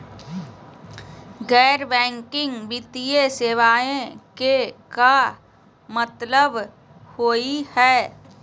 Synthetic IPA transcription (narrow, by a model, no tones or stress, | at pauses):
ɡɛːɾbɛ̃ːŋkɪ̃ŋɡbit̪ieseːʋaːẽkeka | mət̪ləb | hoːihɛː